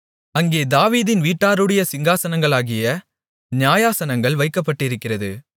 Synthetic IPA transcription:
ɐŋɡeːd̪aːʋiːðɪnʋiːʈːaːɾɯɽɐjɐsɪŋɡaːsɐnɐŋɡɐɭaːɣɪjɐ | nɪjaːjaːsɐnɐŋɡɐɭʋɐɪkːɐpːɐʈːɪɾɯkːɪrɐðɯ

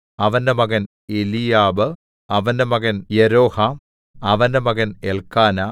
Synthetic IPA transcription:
ɐʋɐndemɐɣɐn | elijaːbɨ | ɐʋɐndemɐɣɐnjeɾoːham | ɐʋɐndemɐɣɐnelkaːna

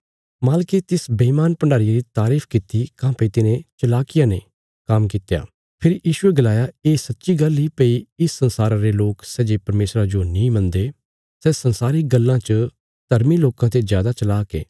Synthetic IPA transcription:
maːlket̪ɪsbɐiːmaːnpɐɳɖaːɾijaɾit̪aːɾiːpʰkɪt̪ːikãːpəit̪ɪnẽt͡ʃɐlaːkɪjãne | kɐmkɪt̪ja̰ː | pʰɪɾjiːʃʊeɡɐlaːjaeːsɐtːʃiɡɐlipeiɪsːə̃nsaːɾãɾeloːksɛːd͡ʒeːpɐɾmeːsɾad͡ʒonĩːmɐ̃nd̪e | sɛːsɐnsaːɾiɡɐlːãt͡ʃə | t̪ɐɾmiloːkãt̪ezjaːd̪at͡ʃɐlaːkḛː

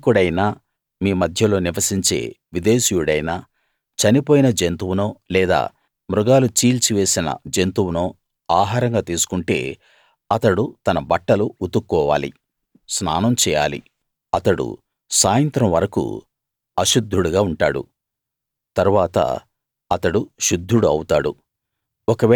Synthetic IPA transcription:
kuɽɐjnaː | miːmɐd̪ʱjɐlo̞ːniʋɐsiɲt͡ʃe̞̰ːʋid̪eːʃijuɽɐjnaː | t͡ʃɐnipo̞ːjinɐd͡ʒent̪uwunoːlɛːd̪a̰ː | mɾuɡaːlut͡ʃiːlt͡ʃiʋe̞ːsinɐ̰d͡ʒent̪uwunoː | aːɦaːɾɐŋɡaːt̪iːsu̥kuɳʈe̞̰ː | ɐt̪ɐɽut̪ɐnɐbɐʈːɐluːt̪ukːɔːʋa̰ːlḭ | snaːnɐmt͡ʃɛːja̰ːlḭ | ɐt̪ɐɽṵ | saːjɐnt̪ɾɐmʋɐɾɐkṵ | ɐʃud̪ʱːuɽuɡaːuɳʈaːɽṵ | t̪ɐɾuʋaːt̪ɐ̰ | ɐt̪ɐɽuʃud̪ʱːuɽuɐwut̪aːɽṵ | ɔkɐʋɛ

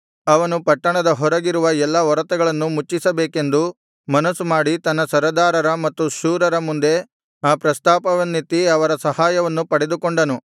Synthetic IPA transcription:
ɐʋɐnupɐʈːɐɳɐd̪ɐɦɔɾɐɡiɾuʋɐɛlːɐɔɾɐt̪ɐɡɐɭɐnːumut͡ʃːisɐbeːke̞nd̪u | mɐnɐsːumaːɽit̪ɐnːɐsɐɾɐd̪aːɾɐɾɐmɐt̪ːuʃuːɾɐɾɐmund̪e̞ | aːpɾɐst̪aːpɐʋɐnːit̪ːiɐʋɐɾɐsɐhaːjɐʋɐnːupɐɽe̞d̪ukoɳɖɐnu

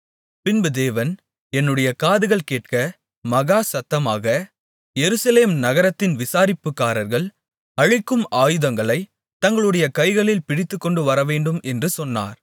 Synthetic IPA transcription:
pɪnbɯd̪eːʋɐn | ɛnːɯɽɐjɐkaːðɯɣɐɭkeːʈ̚kɐ | mɐɣaːsɐt̪ːɐmaːɣɐ | jɛɾɯsɐleːmnɐɣɐɾɐt̪ːɪnʋɪsaːɾɪpːɯkːaːɾɐɾɣɐɭ | ɐɻɪkːɯmʔaːjɯðɐŋɡɐɭɐɪ | t̪ːɐŋɡɐɭɯɽɐjɐkɐɪɣɐɭɪlpɪɽɪt̪ːɯkːɔɳɖɯʋɐɾɐʋeːɳɖɯmʔɛndrɯsɔnːa̰ːɾ

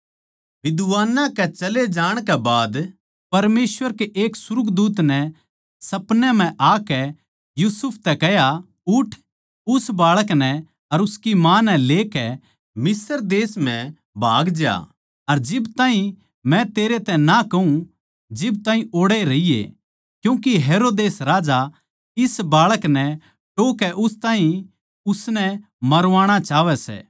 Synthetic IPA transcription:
ʋɪd̪ʋaːnãkɛt͡ʃɐled͡ʒaːɽ̃kɛbaːd̪ | pɐɾmeːsʋəɾkeʔeːksʊɾʊkd̪uːt̪nɛ | sɐpnɛm̤ɛ̃ʔaːkɛ | juːsʊpʰt̪ɛkɛɦja | ʊʈʰ | ʊsbaːɭəknɛ | ɐɾʊskimaːnɛleːkɛ | mɪsəɾd̪eːsm̤ɛ̃ | bʱa̰ːɡd͡ʒja̰ː | ɐɾd͡ʒɪbt̪ãːɦĩ | mɛ̃t̪eːɾet̪ɛ̃nakɐɦũ | d͡ʒɪb̚t̪ãːĩoːɽeɾɐijḛ | kjũːk̬iɦeːɾoːd̪eːsɾaːd͡ʒa | ɪsbaːɭəknɛ | ʈoːkɛʔʊst̪aːɦĩ | ʊsnɛ | mɐɾʋaːɽ̃at͡ʃaːʋɛsɛ̰ː

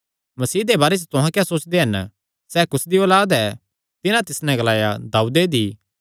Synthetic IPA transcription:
mɐsiːd̪ebaːɾes̬ɛt̪ʊɦãkjaːsoːt͡ʃd̪eɦɐn | sɛːkʊsd̪ioːlaːd̪ɛː | t̪ɪnãt̪ɪsnɛ̃ɡɐlaːjad̪aːud̪ed̪iː

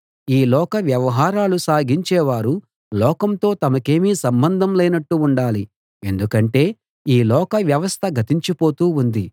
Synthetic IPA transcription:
iːlɔːkɐʋjɐʋɐɦaːɾaːlusaːɡiɲt͡ʃɛːʋaːɾu | lɔːkɐmt̪o̞ːt̪ɐmɐke̞ːmiːsɐmbɐnd̪ʱɐmlɛːnɐʈːuuɳɖaːli | e̞nd̪ukɐɳʈe̞ː | iːlɔːkɐʋjɐʋɐst̪ʰɐɡʱɐt̪iɲt͡ʃipo̞ːt̪uːund̪i

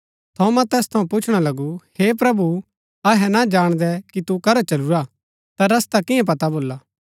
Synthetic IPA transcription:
t̪ʰõmɐ̃t̪ɛːst̪ʰɐũpʊt͡ʃʰɽ̃alɐɡuheːp̬ɾɐbu | ɐɦɛnad͡ʒaːɽ̃d̪ɛkit̪ukɐɾɔt͡ʃɐluɾa | t̪aɾɐst̪akɪjɛ̃p̬ɐt̪aboːlaː

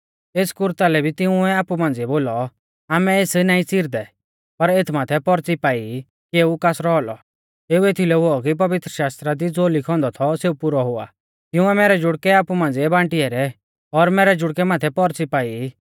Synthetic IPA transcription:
eːskʊɾt̪alɛbʱit̪ɪũɛaːpumãːnd͡ziɛboːlɔ | aːmɛeːsnaːĩt͡siɾd̪ɛ | pɐɾeːt̪ʰmaːt̪ʰɛpɔɾt͡sipaːi | keːukaːsɾɔɦɔlɔ | eːuet̪ʰilɛɦoɔk̬ip̬ɐʋɪt̪ɾəʃaːst̪ɾad̪id͡zoːlɪkʰɔ̃ːnd̪ɔt̪ʰɔseːupʊɾɔɦʊa̰ː | t̪ɪj̃ũɛmɛːɾɛd͡ʒʊɽkɛaːpumãːnd͡ziɛbãːʈɪɛɾɛ | ɔɾmɛːɾɛd͡ʒʊɽkɛmaːt̪ʰɛpɔɾt͡sipaːi

